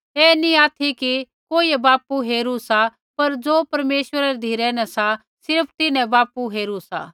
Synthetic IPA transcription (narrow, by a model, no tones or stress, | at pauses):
ɛːnĩaːt̪ʰiki | koːiɛbaːpuɦeːɾusa | pɐɾd͡ʒoːpɐɾmeːʃwəɾaɾɛd̪ʱiːɾɛnɛ̃sa | sɪɾpʰt̪ɪnɛ̃baːpuɦeːɾusa̰ː